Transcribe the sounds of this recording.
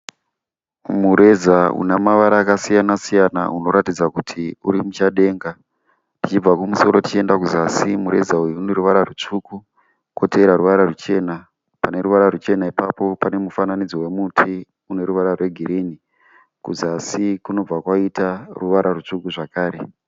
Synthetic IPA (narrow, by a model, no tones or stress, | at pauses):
muɾe̞zaṵnamaʋaɾaːkasijanasijana̰uno̞ɾatid͡zakutʰiuɾimut͡ʃaɗe̞ːŋɡa | tit͡ʃib͡vakumuso̞ɾo̞tit͡ʃie̞ndakuzasimuɾe̞̰zaujuune̞ɾuʋaɾarut͡ʂuku | koteɾaɾuʋaɾarut͡ʃe̞na | pane̞ɾuʋaɾarut͡ʃe̞naipapo̞pane̞mufananid͡zowemutʰi | une̞ɾuʋaɾarwe̞ɡʱiɾini | kuzasikuno̞b͡vakwaitaruʋaɾarut͡ʂukuʐakaːɾe̞̰